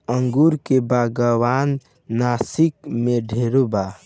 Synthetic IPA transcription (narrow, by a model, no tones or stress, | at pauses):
əŋɡuɾkebaːɡəwaːnː | aːsikmẽɖʱeːɾoba